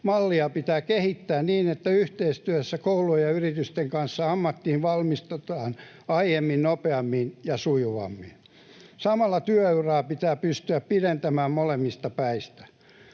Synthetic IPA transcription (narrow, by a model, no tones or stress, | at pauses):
mɑlːiɑpit̪æːkehit̪ːæːnniːnet̪ːæyht̪eist̪yæsːækoulujjjɑyrit̪yst̪eŋkɑnsːɑɑmːɑt̪ːihiʋʋɑlmist̪et̪ɑːn | ɑijemːinnopeɑmːinjɑsujuʋɑ̰mːin | sɑmɑlːɑt̪yøøyrɑːpit̪æːpyst̪yæppilent̪æmæːmmolemːist̪ɑpæist̪æ̥